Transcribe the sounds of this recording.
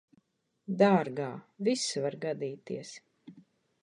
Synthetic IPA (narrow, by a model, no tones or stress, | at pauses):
d̪aːɾɡaːvisvaɾɡad̪iːt̪iɛs